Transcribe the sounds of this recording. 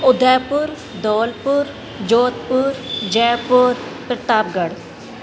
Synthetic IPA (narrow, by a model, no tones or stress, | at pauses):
ʊd̪ʱɛːpʊɾ | d̪oːlpʊɾ | d͡ʒoːt̪̚pʊɾd͡ʒɛːpʊɾpɾət̪aːb̚ɡəɽ